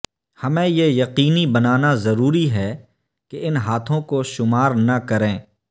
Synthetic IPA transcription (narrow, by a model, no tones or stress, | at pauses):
hɐmẽjejɐqiːnibɐnaːnazɐɾuːɾiɦɛː | keɪnɦaːt̪ʰõkoʃʊmaːɾnɐkɐɾẽː